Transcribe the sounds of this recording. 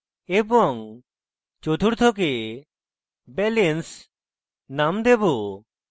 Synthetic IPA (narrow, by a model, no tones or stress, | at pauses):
ebɔŋ | t͡ʃot̪ʰuɽt̪ʰɔk̬e | bɛlens | namd̪ebu